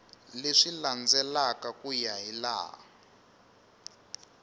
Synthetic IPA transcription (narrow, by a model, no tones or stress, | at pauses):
leʂiland͡zɛlakakujaɦila̰ː